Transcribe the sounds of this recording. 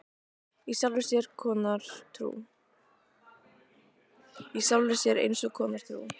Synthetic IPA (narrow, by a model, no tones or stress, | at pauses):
isawlvɪsjɛɾ̥kʰɔːnaɾ̥t̪ʰɾṵ | isawlvɪ̥sjɛɾḛjnsɔkʰɔːnaɾ̥t̪ʰɾṵ